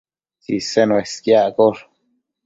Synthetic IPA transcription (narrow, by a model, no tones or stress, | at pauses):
t͡ʃisenweskjakoɾ